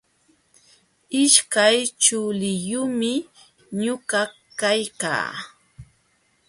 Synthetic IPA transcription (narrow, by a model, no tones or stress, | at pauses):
ɪʃkajt͡ʃʊlɪjʊmɪ | ɲʊka | kajka̰ː